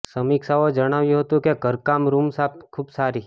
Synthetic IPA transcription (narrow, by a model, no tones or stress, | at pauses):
səmikʃaod͡ʒəɽ̃aʋjũɦət̪ũkeɡʱəɾkamɾumsap̚kʰuːbsaɾi